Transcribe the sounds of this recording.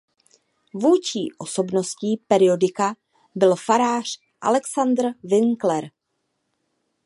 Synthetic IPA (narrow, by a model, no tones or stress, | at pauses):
vuːt͡ʃḭːʔo̞so̞bno̞sciːpɛɾɪo̞dɪka | bɪlfaɾaːr̝̥ | ʔa̰lɛksand̪rvɪŋklɛɾ